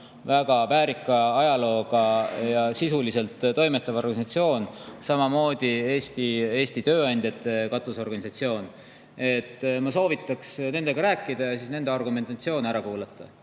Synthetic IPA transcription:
væɡ̥ɑpæːɾikːˑɑɑjɑlo̞ːɡ̥ɑjɑsisulise̞lt̪ːt̪ːo̞jme̞t̪ːˑɑvo̞rɡɑnisɑt̪sio̞ːnsɑmɑmo̞ːd̪̥ʲie̞ːst̪ie̞ːst̪it̪ø̞ːɑnʲd̪̥ʲjɑt̪ːˑe̞kɑt̪ˑuso̞rɡ̥ɑnʲisɑt̪sio̞ːn | e̞t̪ˑːmɑso̞ːvit̪ːˑɑksne̞nd̪̥e̞ɡ̥ɑɾæːkːˑid̪̥ɑjɑsiːsne̞nd̪eɑrɡume̞nt̪ɑt̪sio̞ːnæɾɑkuːlɑt̪ˑːɑ

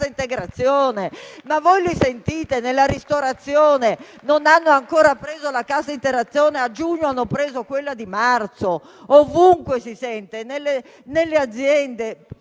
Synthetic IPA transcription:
aint̪eɡɾat̪sːjoːnemavojlisent̪iːt̪enelːaɾist̪oɾat̪sːjoːne | nonanːoaŋkoːɾapɾeːzolakasaint̪eɾat̪sːjoːnead͡ʒuɲːoanːopɾeːzokwelːad̪imart̪so | ovuŋkwesisɛnt̪enelːe | nelːead̪zːjɛnd̪e

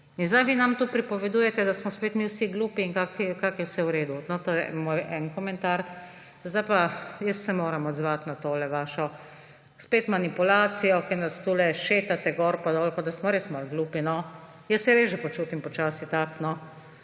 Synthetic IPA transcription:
inzd̪ajʋinamt̪uːpɾipɔʋɛd̪uːjɛt̪ɛd̪asmɔspet̪miwsiɡluːpiːŋkakikakjɛwsɛwɾeːd̪unɔt̪ojɛ̰mojʔɛnkɔmɛ̃nt̪aɾ | zd̪ajpajəssɛmoːɾɐmɔd̪zʋat̪nat̪oːlɛʋaːʃɔ | speːt̪manipulaːsijɔkɛɾnast̪uːlɛʃeːt̪at̪ɛɡɔːɾpad̪oːlkɔd̪asmɔɾeːsmalɡluːpinɔ | jəssɛɾeːsʒɛpɔt͡ʃuːt̪impɔt͡ʃaːsit̪aknɔ

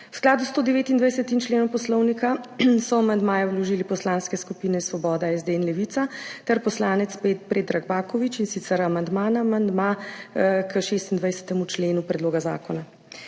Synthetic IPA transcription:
wsklaːd̪ust̪oːd̪ɛʋeːt̪ind̪ʋajsɛt̪imt͡ʃleːnɔwpɔslɔwnikasɔamand̪maːjɛwlɔʒiːlipɔslaːnskɛskupinɛsʋɔbɔːd̪aɛzd̪eɛnlɛʋit̪sat̪ɛɾpɔslaːnɛt̪spet̪pɾeːd̪ɾaɡbaːkɔʋit͡ʃinsit̪sɛɾamand̪maːnamand̪ma | kəʃeːst̪ind̪ʋajsɛ̥t̪ɛmut͡ʃleːnupɾɛd̪loːɡaza̰ːkɔna

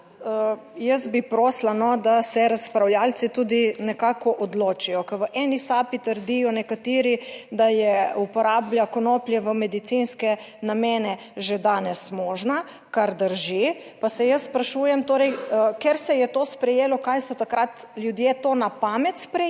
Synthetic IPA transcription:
ə | jəsbipɾoːslanɔd̪asɛɾaspɾawljaːlt̪sit̪uːd̪inɛkaːkɔʔɔd̪loːt͡ʃijɔkɛɾʋəʔɛnisaːpit̪əɾd̪ijɔnɛkat̪iːɾid̪ajɛupɔɾaːbljakonoːpljɛʋəmɛd̪it̪sinskɛ | nameːnɛ | ʒed̪anɛsmoːʒna | kaɾd̪əɾʒi | pasɛjəsːpɾaʃuːjɛmt̪oːɾɛjkeɾsɛjɛt̪oːspɾɛjeːlɔkajsɔt̪akɾat̪ljud̪jeːt̪oːnapaːmɛt̪spɾɛ

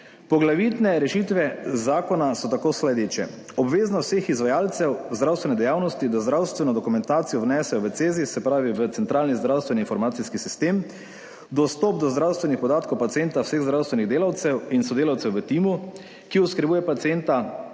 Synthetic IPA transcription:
pɔɡlaʋit̪nɛɾɛʃit̪ʋɛzaːkɔnasɔt̪akoːslɛd̪eːt͡ʃɛ | ɔbʋeːznawsexizʋajaːlt̪sɛwzd̪ɾawst̪ʋɛnɛd̪ɛjawnɔst̪id̪azd̪ɾawst̪ʋɛnɔd̪ɔkumɛnt̪aːt̪sijɔwnɛːsɛjɔʋət̪seːzisɛpɾaːʋiʋət̪sɛnt̪ɾaːlnizd̪ɾawst̪ʋɛniːnfɔɾmaːt̪siskisist̪em | d̪ɔst̪ɔp̚d̪ɔzd̪ɾawst̪ʋɛnixpɔd̪aːt̪kowpat̪sijent̪awseɣzd̪ɾawst̪ʋɛniɣd̪eːlawt̪sɛwinsɔd̪eːlawt̪sɛwʋət̪imu | kiɔskɾɛbuːjɛpat̪sient̪a

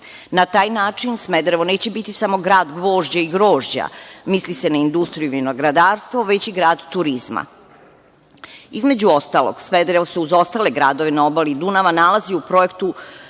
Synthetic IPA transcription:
nat̪aːjnaːt͡ʂinsmed̪ɾeʋo̞ne̞ːt͡ɕe̞bit̪isamo̞ɡɾaːd̪ɡʋo̞ːʒd͡ʑaiɡɾoːʒd͡ʑa̰mislise̞naind̪ust̪ɾijuminoɡɾad̪aːɾst̪ʋo̞ʋe̞t͡ɕiɡɾaːd̪t̪uɾizma̰ | izme̞d͡ʑuo̞st̪alˠo̰ɡ̥smed̪ɾeʋoseuzo̞st̪ale̞ɡɾa̰ːd̪o̞ʋenao̞balid̪unaʋanalˠaziupɾo̞je̞kt̪u

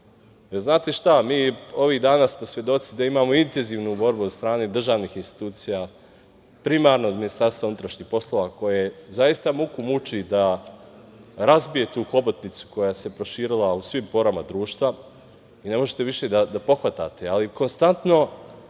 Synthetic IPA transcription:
elznaːt̪eʃt̪amiːo̞ʋiːɣd̪aːnaːsmo̞sʋje̞d̪o̞t̪sid̪aimaːmo̞int̪e̞nziːʋnubo̞ɾbuod̪st̪ɾaːne̞d̪r̩ʒaːʋniːxinst̪i̥t̪uːt̪sija | pɾimaːɾnoːd̪minist̪aɾst̪vaunut̪ɾaʃɲiːxpo̞slˠo̞ʋako̞jezajist̪amukumut͡ʃid̪a | ɾazbije̞t̪uːxo̞bot̪nit̪su̥ko̞jaːse̞pɾo̞ʃiːɾilˠausʋimpo̞ɾamad̪ɾuːʃt̪ʋa | ine̞mo̞ʒet̪e̞ʋiʃe̞d̪ad̪apo̞xʋat̪a̰ːt̪ealiko̞nst̪ant̪no̞

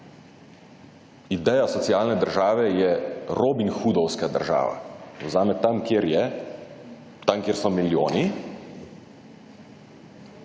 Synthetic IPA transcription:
id̪ɛjasɔt̪siaːlnɛd̪əɾʒaːʋɛjɛɾoːbinxuːd̪ɔwskad̪əɾʒa̰ːʋa̰zaːmɛt̪amkɾjɛ | t̪aŋkjeːɾsɔmiljo̰ːni

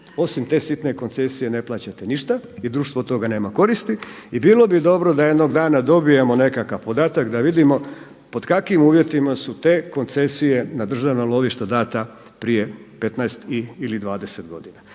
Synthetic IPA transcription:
o̞simt̪e̞ːsit̪ne̞ko̞nt̪se̞sije̞ne̞plˠaːt͡ɕat̪eniʃt̪aid̪ɾuːʃt̪ʋot̪o̞ɡane̞ːmako̞ɾist̪iibiːlˠo̞bid̪o̞bɾo̞d̪aje̞d̪no̞ɡd̪aːnad̪o̞bijemo̞ne̞kakaʋpo̞d̪aːt̪akd̪aʋid̪imo̞ | po̞d̪kakʋimuːʋje̞t̪imasut̪eːko̞nt̪se̞sije̞nad̪r̩ʒaʋnalˠo̞ʋiʃt̪ad̪aːt̪a | pɾije̞pe̞t̪naest̪iilid̪ʋaːd̪eset̪ɡo̞̰d̪ina

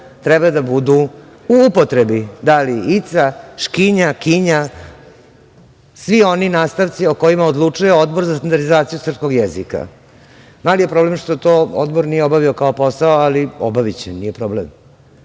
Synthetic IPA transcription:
t̪ɾɛbad̪abud̪u | uupot̪ɾebid̪aliit̪saʃkiɲakiɲa | sʋio̞ninaːst̪aʋt̪sioko̞jimaod̪lˠut͡ʂujeod̪boɾzast̪and̪aɾd̪izaːt̪sijusr̩psko̞ɡjezika̰ | malijepɾo̞blemʂt̪o̞t̪ood̪boɾnijeobaʋiokaopo̞saoalio̰baʋit͡ɕenijepɾo̞blem

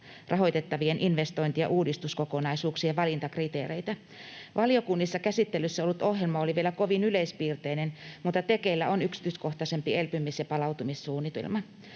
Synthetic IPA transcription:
rʔɑɦo̞jt̪et̪ːɑʋienʔinʋest̪o̞int̪ijɑ̰ʔuːdist̪uskokonɑisuːksiɑʋɑlint̪ɑkrit̪eːɾeit̪æ | ʋʔɑlijokunːisːɑkæsit̪ːelysːæo̞lːut̪ohjelmɑoliʋielæko̞ʋinyleispiːrt̪einenmut̪ːˑɑt̪ekeilːæonyksi̥t̪ysko̞ht̪ɑsempielpymːisjɑpɑlɑwt̪umissuːnːit̪ḛlmɑ

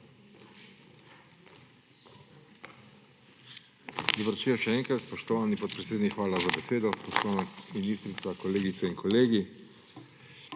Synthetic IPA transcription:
d̪ɔbəɾt͡ʃiːɔʃɛɛːŋkɾat̪spɔʃt̪ɔʋaːnipɔt̪pɾɛt̪seːd̪nikxʋaːlazabɛseːd̪ɔspɔslaːnɛkminist̪ɾit̪sakɔleːɡit̪sɛinkʰɔleːɡi

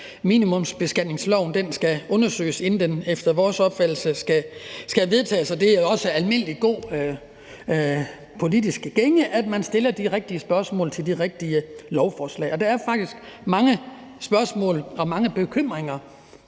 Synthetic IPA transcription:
mḭːnimɔ̽msb̥e̝sɡ̥ænne̝ŋslɒʊ̰nd̥ensɡ̥æɔ̽nɐsø̰ːɪse̝n̩d̥enefd̥ɐʋɒːsɒ̽b̥fæd̥l̩səsɡ̥æsɡ̥æʋe̝ðˠt͡sʰɛ̰ːsɒ̽d̥e̝æɒ̽səælme̝n̰əliɡ̥o̝̰ː | pʰo̝lid̥isɡ̥əɡ̥eŋəʔæd̥mænsd̥e̝lɐd̥iʁeɡ̥̚d̥iəsb̥ɶɐsmɔ̰̽ːlt͡sʰe̝ld̥iʁeɡ̥̚d̥iəlɒʊfɒːslɛ̰ːɒ̽d̥ɑ̈æɐfɑ̈ɡ̥̚d̥isɡ̥mɑ̈ŋə | sb̥ɶɐsmɔ̰̽ːlɒ̽mɑ̈ŋəb̥e̝kʰøm̰ʁeŋɐ

